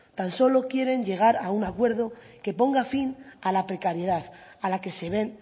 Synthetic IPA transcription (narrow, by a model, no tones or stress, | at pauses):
t̪anso̞lo̞kje̞ɾe̞ɲʎe̞ɣ̞aɾaunakwe̞ɾðo̞ke̞po̞ŋɡafinalapɾe̞kaɾje̞ð̞aθalake̞se̞β̞e̞n